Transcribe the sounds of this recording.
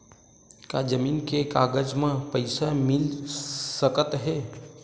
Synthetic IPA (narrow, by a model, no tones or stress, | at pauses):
kad͡ʒəmiːnkekaɡəd͡ʒmẽpəɪsamilsəkət̪ɦe